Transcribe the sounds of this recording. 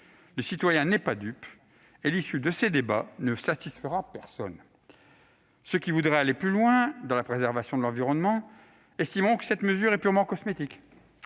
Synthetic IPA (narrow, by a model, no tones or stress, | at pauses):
ləsit̪wajɛ̃nɛpad̪yp | elisyd̪əsed̪eba̰nəsat̪isfəʁapɛʁsɔn | səkʲivud̪ʁɛaleplylwɛ̃d̪ɑ̃lapχezɛʁvasjɔ̃d̪əlɑ̃viʁɔnmɑ̃ | ɛst̪imʁɔ̃kə̥sɛt̪məzyʁɛpyʁmɑ̃kɔsmet̪ik